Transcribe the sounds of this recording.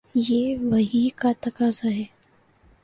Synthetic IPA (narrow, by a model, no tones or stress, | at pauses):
jeːʋɐɦikat̪ɐkaːzaɦɛː